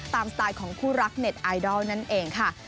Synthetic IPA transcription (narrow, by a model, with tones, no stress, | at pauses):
t̪aː˧mst̪aː˧jkʰɔː˩˦ŋpʰuː˥˩ɾa˦˥k̚ne˨˩t̪̚ʔaː˧jdɔː˥˩wna˦˥˩nʔeː˧ŋkʰa˥˩